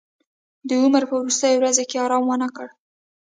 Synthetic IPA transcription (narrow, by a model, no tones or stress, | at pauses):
d̪əuməɾpəwɾust̪əjowɾazekeɑɾɑmwanakəɽ